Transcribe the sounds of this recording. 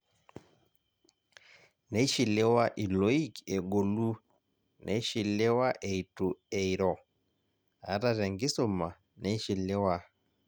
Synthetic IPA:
nɛ˦i˦ʃi˨lɛ˦wa˦ʔi˨lɔ˨˦i˦kɛ˨ɡo˨lu˦ | nʔɛ˨˦i˦ʃi˨lɛ˦wa˦ʔe˨i˨tu˨ɛ˨i˨ɾɔ˨ | a̰˨˦ɾa˦ɾɛ˨ŋɡi˦sɔ˦˨ma˨ | nɛ˦i˦ʃi˨lɛ˦wa˦

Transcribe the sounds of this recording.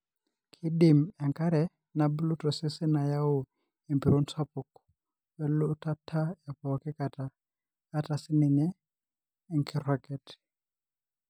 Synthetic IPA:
kʰi˦ɗi˨mɛ˨ŋka˦ɾɛ˨ | na˨bu˦lu˦tɔ˨sɪ˦sɪ˦na˨ja˦ʊ˨ | e˨mpi˨ɾɔ˦nswa˦pɔ˨k | wɛ˦lu˦ta˦tʰːa˦ja˨pɔ˨kɪ˦ka˨taː˨˦ | ta˨sɪ˦nɪ˨ɲɛː˦˨ | ŋkʰɪ˨ɾɔ˨kɛ˨t

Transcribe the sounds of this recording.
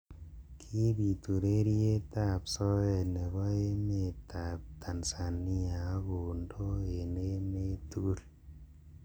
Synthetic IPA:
kʰi˦bi˨tu˨ɾe˦ɾi˦e˦ta˦˨psɔ˦ɛ˨ne˨bɔ˦e˦me˨ta˨p̚tʰa˨nsa˨ni˦a˨˦ɡo˨ndo˦e˨ne˦me˦tu˦ɡu˦ɾ

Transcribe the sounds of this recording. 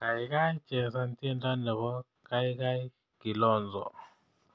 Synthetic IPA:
ŋa˨i˨ka˦i̥˦t͡ʃɛ˨sa˦ntʰʼɛ˦nta˦nɛ˨βɔ˦ | ka˦i˦ka˦i˦ | ɡ̥i˨lɔː˦˨nd͡zʱɔ̰˨

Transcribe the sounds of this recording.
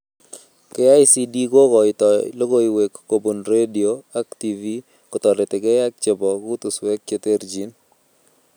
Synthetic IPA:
ke˦a˦jsi˦di˦ɡo˦kɔ˨ɪ˨t̪ɔlo˦ɡo˦i˨we˨kːo˨bu˨nɾe˦di˨o˨a˦kt̪i˨vi˦ | kɔt̪ɔ˨ɾɪ˨t̪ɪ˨ɡe˦ja˦k̚t͡ʃɪ˨bɔ˨ɡu˦t̪u˨swɛ˦k̚t͡ʃe˦t̪e˦ɾd͡ʒi˨n

